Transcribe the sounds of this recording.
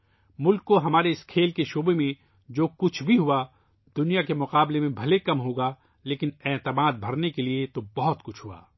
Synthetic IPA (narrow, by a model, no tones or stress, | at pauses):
mʊlkːoɦɐmaːɾeɪskʰeːlkeʃoːbemẽ | d͡ʒoːkʊt͡ʃʰbʱiɦua | d̪ʊnijakemʊqaːblemẽbʱɐlekɐmɦoːɡaː | leːkɪnɛːt̪əmaːd̪̚bʱɐɾnekeliet̪obɐɦɔt̪kʊt͡ʃʰɦua̰ː